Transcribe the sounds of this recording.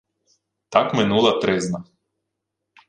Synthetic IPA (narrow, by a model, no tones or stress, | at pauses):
t̪akmɛnulˠat̪ɾɛzna